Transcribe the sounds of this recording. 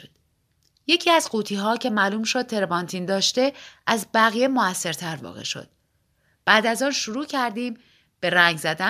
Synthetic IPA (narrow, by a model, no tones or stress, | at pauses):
d̪̥ | je̞cʰiːæzɢuːt̪ʰiːɦɒːcʰe̞mæːluːmʃo̞d̪̥̚t̪ʰe̞ɾebɒːnt̪ʰiːnd̪ɒːʃt̪e̞ʔæzbæɣije̞moæsːe̞ɾt̪ʰæɾvɒ̰ːɣḛʃo̞̰d̪̥ | b̥æːd̪æzɒːnʃuɾuːcʰæɾd̪iːm | b̥e̞ɾæŋɟzæd̪æ